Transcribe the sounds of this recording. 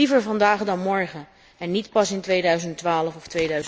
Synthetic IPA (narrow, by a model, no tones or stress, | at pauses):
ivəɹvɑndaːχdɑnmɔɹχə | ɛnːitpɑsɪntʋejdœɥzənttʋaːləfɔftʋejdœɥz